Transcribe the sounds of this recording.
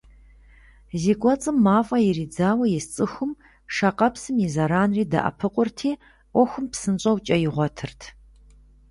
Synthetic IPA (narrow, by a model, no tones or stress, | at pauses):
ziːkʷʼɔt͡sʼɨmːaːfʼɐjɪriːd͡zaːwɐjɪst͡sʼɨxʷʊm | ʂaqɐpsɨmjɪzɐɾaːnriːdɐ̰ʔɐ̰pʰɨqʷʼʊrtʰiː | ʔʷɔxʷʊmpsɨnɕʼɐwt͡ʃʼɐjɪʁʷɔtʰɨrtʰ